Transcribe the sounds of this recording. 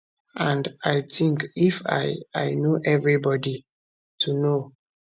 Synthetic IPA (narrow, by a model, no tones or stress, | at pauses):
ãndajtĩŋkifa̰ajnoʔɛvɹibɔdi | tʰuno